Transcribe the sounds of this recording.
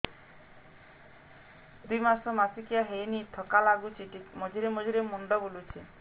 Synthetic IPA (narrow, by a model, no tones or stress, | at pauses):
d̪ujmasɔmasikijaɦejnit̪ʰɔkalaɡut͡ʃʰiʈikmɔd͡ʒʱiɾemɔd͡ʒiɾemɔɳɖɔbolut͡ʃʰi